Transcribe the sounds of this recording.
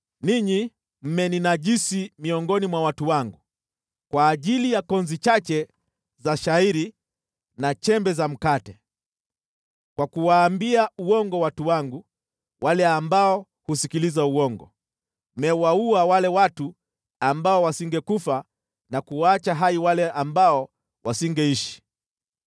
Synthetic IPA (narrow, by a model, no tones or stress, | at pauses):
niɲi | m̩mɛninaʄisimiɔŋɡɔnimwawatuwaŋɡu | kwaːʄilijakɔnzit͡ʃat͡ʃɛ | zaʃaiɾi | nat͡ʃɛmbɛzam̩katɛ | kwakuwaːmbiauɔŋɡɔwatuwaŋɡu | wʔalɛambaɔ | husikilizauɔŋɡɔ̰ | mɛwauawalɛwatu | ambaɔwasiŋɡɛkufa | nakuwaat͡ʃaɦaiwalɛʔambaɔ | wasiŋɡɛiʃi̥